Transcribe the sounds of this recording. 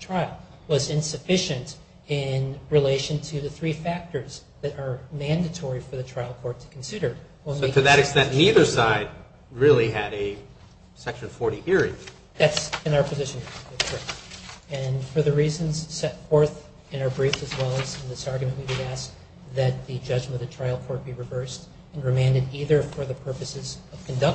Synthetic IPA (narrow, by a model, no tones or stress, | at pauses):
tʰɹ̥aɪlˠ | wʌzɪ̃nsɨfɪʃɨ̃nt | ɪ̃nɹileɪʃɨ̃ntʰɨðɨθɹifæk̚tə˞zðɨɾə˞mæ̃ndɨtʰɔɹifə˞ðɨtʰɹ̥aɪlˠkʰɔɹtʰɨ̥kʰn̩sɪɾə˞ | wə̃ntʰɨðɨɾɨkstɛ̃nniðə˞saɪd̚ | ɹɪlˠiɨɾɨ | sɛkʃɨ̃nfɔɹɾiʔɪɹḭ̃ | ðætsɨ̃naʊə˞pʰɨzɪʃɨ̃nɨɨɹɛɨ̃nfə˞ðɨɹizɨ̃nz̥sɛtfɔɹθ | ɨ̃ñaʊə˞bɹifɨzwɛlˠɨzɨ̃nðɪsɑɹɡjɨmɨ̃nʔwiwɨɾæsk̚ | ðɨt̪̚ðɨd͡ʒʌd͡ʒmɨ̃nʌvðɨtʰɹ̥aɪlˠkʰɔɹt̚b̥iɹɨvɜ˞st | ɨ̃nɹɨmæ̃ndɨɾiðə˞fə˞ðɨpʰɜ˞pɨsɨzʌv̥kʰɨ̃n̩dʌk̚